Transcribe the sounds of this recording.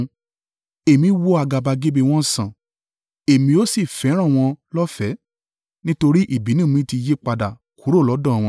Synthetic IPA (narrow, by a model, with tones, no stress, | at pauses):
e˨mĩ˨˦wo˦a˧ɡa˧ba˧ɡe˦be˧˨w̃ɔ̃˦˨sã˨ | e˨mĩ˧o˦si˦˨fɛ˨˦ɾ̃ã˦˨w̃ɔ̃˧lɔ˦fɛ˨˦ | nĩ˦to˧ɾi˦ʔi˦˨bi˨˦nũ˦˨mĩ˦ti˧je˦k͡pa˧da˨ | ku˨˦ɾo˦˨lɔ˨˦dɔ̃˦˨w̃ɔ̃˧